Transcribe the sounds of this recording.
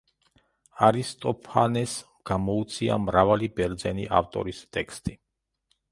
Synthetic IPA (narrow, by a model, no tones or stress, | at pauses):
aɾist̪ʼɔpʰanɛs | ɡ̥amɔut̪sʰia̰mɾavalibɛɾd̪zɛniʔa̰ft̪ʼɔ̰ɾist̪ʼɛkst̪ʼi